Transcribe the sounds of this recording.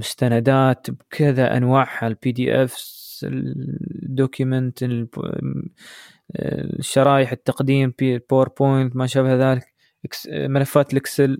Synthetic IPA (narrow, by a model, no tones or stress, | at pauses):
mʊst̪anad̪aːt̪bkʰɪðaʔa̰nwaːʕhalpiːd̪iːʔɛfs | d̪ːoːkjʊmənt̪l | ʃːɑɾˤɑːjɪħɪt̪ːɑqd̪iːmilpawɑɾˤpʰojnt̪maʃabhðaːlɪk | kmɪlafːaːt̪lɪksɪl